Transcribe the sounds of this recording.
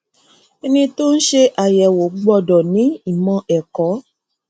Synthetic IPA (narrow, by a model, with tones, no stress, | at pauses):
e˧nĩ˧to˦n̩˦ʃe˧ʔa˨jɛ˨wo˨˦ɡ͡bɔ˧dɔ˨nĩ˨˦i˦˨mɔ̃˧ʔɛ˨kɔ˨˦